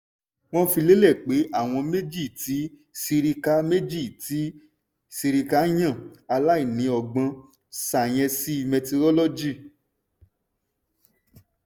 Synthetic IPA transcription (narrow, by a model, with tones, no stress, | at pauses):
w̃ɔ̃˦fi˧le˦lɛ˦˨k͡pe˨˦ʔa˦˨w̃ɔ̃˧me˦d͡ʒi˦˨ti˨˦ | si˧ɾi˧ka˧˦me˦d͡ʒi˦˨ti˨˦ | si˧ɾi˧ka˦˧˦j̃ã˦˨a˧la˦i˦˨nĩ˨˦ɔ˨ɡ͡bã˧ | sa˨j̃ɛ̃˧si˦˧mɛ˧to˧ɾɔ˦lɔ˦d͡ʒi˦˨